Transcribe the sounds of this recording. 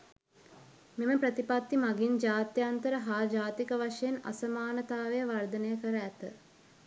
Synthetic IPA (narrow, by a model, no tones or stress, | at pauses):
meməpɾət̪ipat̪ːimaɡind͡ʒaːt̪jant̪əɾəɦaːd͡ʒaːt̪ikəʋaʂejena̰sɐmaːnət̪aːʋejəʋard̪ənəjəkəɾəæt̪ə